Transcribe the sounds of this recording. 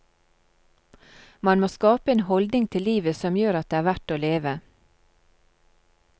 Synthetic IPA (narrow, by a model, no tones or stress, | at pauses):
mɑnmoːskɑːpəeːnhɔld̪nɪŋt̪ʰɪliːʋəsɔmjøːɾɑt̪̚d̪eːæːʋæʈoːleːʋə